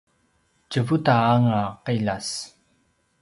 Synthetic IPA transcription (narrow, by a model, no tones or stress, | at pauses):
t͡ʃəvutaːŋaqiʎas